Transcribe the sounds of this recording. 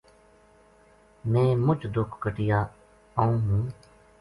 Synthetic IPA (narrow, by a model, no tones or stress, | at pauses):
mɛ̃ːmʊt͡ʃd̪ʊkʰkəʈɪjaː | aːũːɦũː